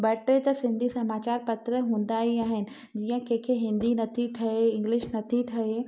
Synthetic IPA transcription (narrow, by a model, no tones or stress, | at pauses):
bɐʈet̪ɐsɪ̃nd̪ʱisɐmaːt͡ɕaːɾpɐt̪ɾəɦũːn̆d̪aːiaːɦɪnɪ̆ | d͡ʑiːə̃keːkʰeɦɪ̃nd̪inɐt̪ʰiʈʰɐɦeɪ̃ŋɡlɪʃnɐt̪ʰiʈʰɐe